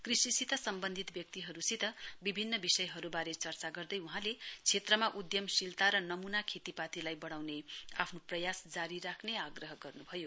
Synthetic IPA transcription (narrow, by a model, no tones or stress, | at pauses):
krisisit̪ʌsʌmbʌnd̪ʱit̪bjʌk̚t̪iɦʌɾusit̪ʌbibʱinːʌbisʌjɦʌɾubaɾet͡sʌrt͡saɡʌrd̪ʌjuɦãlet͡sʰet̪rʌmaʔud̪jʌmsilt̪aɾʌnʌmunakʰet̪ipat̪ilajbʌɽ̃awnea̰pʰnoprʌjasd͡zaɾiɾakʰneaɡrʌɦʌɡʌrnubʱʌjo